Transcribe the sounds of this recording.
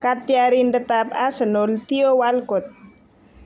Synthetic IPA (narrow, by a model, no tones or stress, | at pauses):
kat̪iaɾindət̪apasənolt̪iowalkɔt̪̚